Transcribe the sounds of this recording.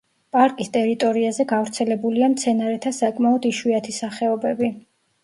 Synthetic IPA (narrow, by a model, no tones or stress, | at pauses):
pʼaɾkʼist̪ʼɛɾit̪ʼɔɾiazɛɡavɾt̪sʰɛlɛbuliamt̪sʰɛnaɾɛt̪ʰasakʼmaɔd̪iʃwiat̪ʰisaχɛɔbɛbi